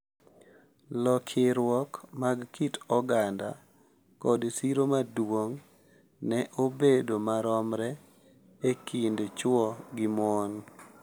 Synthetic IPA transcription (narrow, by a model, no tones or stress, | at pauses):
lɔkʰɪɾwɔkmaɡkitɔɡanda̰ | kɔdsiɾomadwoŋ | nɛʔobedomaɾɔmɾɛ | ekindet͡ʃwɔɡɪmɔn